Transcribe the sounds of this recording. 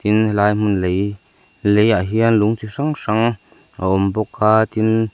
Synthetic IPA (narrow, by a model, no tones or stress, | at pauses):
t̪inlaːjm̥unlej | lejʔaɦiənluŋt͡siʂaŋʂaŋ | ʔa̰ʔɔmbɔkʰːaːt̪in